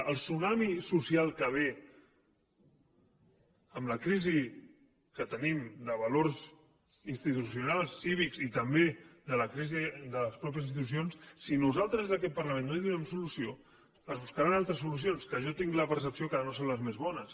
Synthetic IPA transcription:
əlˠsunamisusijalˠkəβ̞e | əmləkɾizi | kət̪ənimd̪əβəloɾz | inst̪it̪usjunalˠsːiβ̞ikzit̪əmbed̪ələkɾizid̪ələspɾɔp̬jəzins̬it̪usionssinuzalˠt̪ɾəzðəkɛt̪̚pəɾləmẽnːoliðunɛmsulusio | əzβuskaɾanalˠt̪ɾəs̬ulus̬jonskəʒɔt̪iŋɡləpəɾsəpsiokaðənosonləzmezβɔnəs

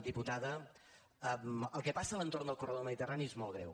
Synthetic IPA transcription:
d̪iput̪aðə | əməlˠkɛpasələnt̪ornd̪əlˠkurəðoməðit̪əraniezmolˠɣɾɛ̰w

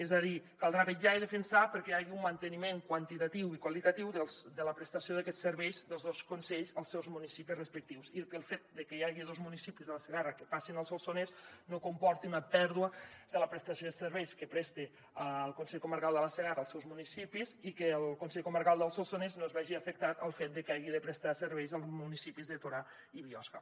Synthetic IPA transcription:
ezaðikalˠd̪ɾaβeʒaiðəfənsapəɾkɛaɣiummant̪ənimeŋkwənt̪it̪at̪iwikwalit̪at̪iwðəlˠzd̪ələpɾəst̪asioðəkɛsəɾβɛjzðəlˠzðoskunsɛʎzəlˠsɛwzmunisipisrəspək̚t̪iwsikəlˠfet̪̚d̪əkəjaɣiðozmunisipizðələsəɣarəkəpasinəlˠsolˠsonesnokumpɔɾt̪iunəpɛɾðuəd̪ələpɾəst̪ɐsijoðəsəɾβɛjskəpɾɛst̪e | əlˠkunsɛʎkuməɾkalˠd̪ələsəɣarəlˠsɛwzmunisipizikəəlˠkunsɛʎkuməɾkalˠd̪əlˠsolˠsoneznozβaʒiafək̚t̪at̪əlˠfet̪̚d̪əkaɣiðəpɾəst̪asəɾβɛjzəlˠzmunisipizðət̪oɾa | iβiɔska

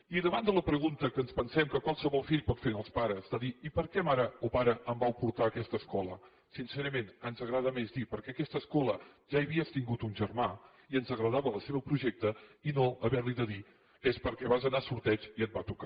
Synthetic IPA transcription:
iəðəβand̪ələpɾəɣunt̪əkənspənsɛmkəkwalˠsəβɔlˠfiʎpɔt̪fenəlˠspaɾəzd̪əðiipəɾkɛmaɾəopaɾəəmbawpuɾt̪aəkɛst̪əskɔlə | sinseɾəmenənzəɣɾað̞əmezd̪ipəɾkɛəkɛst̪əskɔləʒaiβiəst̪iŋɡut̪unʲʒəɾma | iənzəɣɾəðaβələseβəpɾuʒek̚t̪əinoʔəβɛɾliðəði | espəɾkɛβazənasuɾt̪ɛt͡ʃiət̪̚bat̪uka

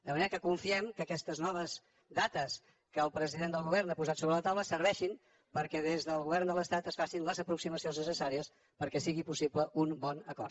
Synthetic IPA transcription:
d̪əməneɾəkəkuɱfiɛmkəːkɛst̪əznɔβəz | d̪at̪əs | kəːlˠpɾəziðend̪əlˠɣuβɛrnapuzat̪soβɾələt̪awləsəɾβɛʃim | pəɾkɛðezðəlˠɣuβɛrnd̪ələst̪at̪əsfasinləzəpɾuksiməsionznəsəsaɾiəs | pəɾkɛsiɣipusibləʔunbɔnəkɔrt̪

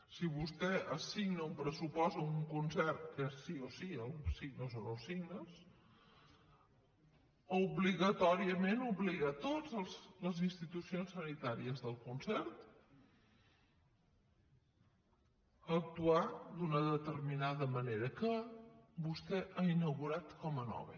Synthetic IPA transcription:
siβust̪ɛʔəsiɡnəumpɾəsupɔst̪əuŋkunsɛrt̪kəsiosiəlsiɡnəsonosiɡnəs | uβliɣət̪ɔɾiəmenuβliɣat̪od͡zəlˠzləzinst̪it̪usionsənit̪aɾiəzðəlˠkunsɛrt̪ | ək̚t̪uad̪unəðət̪ərminaðəməneɾəkəbust̪ɛʔainəɣuɾat̪kɔmənɔ̰βḛ

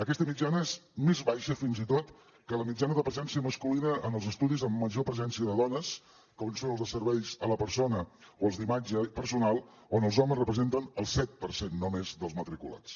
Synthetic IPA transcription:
əkɛst̪əmid͡ʒanəezmezβajʃəfinzit̪ot̪ | kələmid͡ʒanəðəpɾəzɛnsiəməskulinəʔənəlˠzəst̪uðizəmːəʒopɾəzɛnsiəðəðɔnəs | kɔənsonəlˠzðəsəɾβɛʎzələpəɾsonəoəlˠzðimad͡ʒəpəɾsunalˠ | onəlˠzɔməzrəpɾəzent̪ənəlˠsɛt̪̚pəɾsenːomezðəlˠzmət̪ɾikṵla̰t͡s

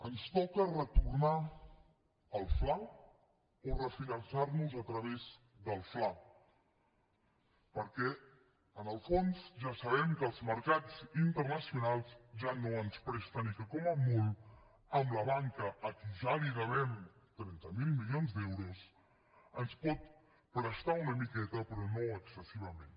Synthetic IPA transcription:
ənst̪ɔkərət̪urna | əlˠfla | orəfinənsaɾnuzət̪ɾəβez | ðəlˠfla | pəɾkɛ | ənəlˠfonzʒasəβɛmkəːlˠzməɾkad͡zint̪ərnəsiunalˠzʒanoənspɾɛst̪ənikəkɔməmulˠ | əmləβaŋkəʔːt̪uzaliɣəβɛm | t̪ɾɛnt̪əmilˠmilionzd̪ɛwɾus | ənspɔt̪̚ | pɾəst̪aunəmikɛt̪əpɾɔnoəksəsiβ̞əmen

